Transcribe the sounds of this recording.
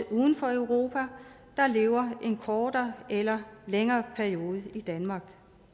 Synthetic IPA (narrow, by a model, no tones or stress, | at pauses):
uːðˠn̩fɒ̽œʊʁo̝ːpʰæ | d̥ɑ̈le̝ːʊɐʔe̝nkʰɒːd̥ɐelɐleŋɐːpʰæɐio̝ːð̞ˠid̥ænmɑ̈ːɡ̥